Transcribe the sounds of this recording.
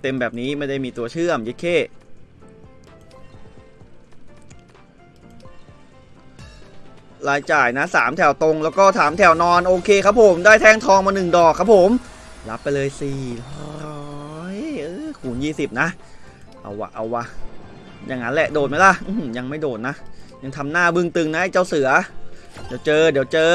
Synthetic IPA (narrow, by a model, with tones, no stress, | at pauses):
t̪e˧mbɛː˨˩p̚niː˦˥ma˥˩jda˥˩jmiː˧t̪u˧ɐt͡ɕʰɯ˥˩əmje˦˥kʰeː˥˩ | laː˧jt͡ɕaː˨˩jna˦˥saː˩˦mt̪ʰɛ˨˩wt̪o˧ŋlɛː˦˥wkɔː˥˩t̪ʰaː˩˦mt̪ʰɛ˨˩wnɔː˧nʔoː˧kʰeː˧kʰa˦˥pʰːo˩˦mdaː˥˩jt̪ʰɛː˥˩ŋt̪ʰɔː˧ŋmaː˧nɯ˨˩ŋdɔː˨˩kʰːa˦˥pʰːo˩˦m | la˦˥pːa˧jlɤː˧jsiː˨˩ | jʔɤː˧kʰuː˨˩˦njiː˥˩si˨˩p̚na˦˥ʔ | ʔa̰˧˩wːa̰˧˩ʔa̰˧˩wa˧ | ja̰ː˨˩ŋːa˦˥nlɛ˧˩ʔdoː˨˩t̪̚ma˦˥jla˧˩ʔɯː˧˩mja˧ŋma˥˩jdoː˨˩t̪̚na˦˥ʔja˧ŋt̪ʰa˧mnaː˥˩bɯ˥˩ŋt̪ɯ˧ŋna˦˥a˥˩jt͡ɕa˥˩wsɯ˩˦ɐ | di˩˦wt͡ɕɤː˧diː˨˩˦wt͡ɕɤː˧